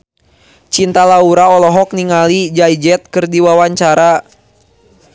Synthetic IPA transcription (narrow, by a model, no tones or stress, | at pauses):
t͡ʃint̪alauɾaɔlɔɦɔk̚niŋalid͡ʒajd͡ʒɛt̪̚kərdiwawaɲt͡ʃaɾa